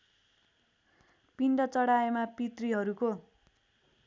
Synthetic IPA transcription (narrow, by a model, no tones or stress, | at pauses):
piɳɖʌt͡sʌɽaemapit̪riɦʌɾuko